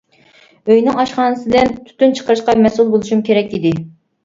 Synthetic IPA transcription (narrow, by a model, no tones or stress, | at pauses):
øjnɪŋɑʃqɑnɨsɨd̪ɛnt̪ʰy̥t̪ynt͡ʃʰə̥qəɾɨʃqɑmɛsulˠbolˠuʃumkʲʰeɾɛkʲid̪ɪ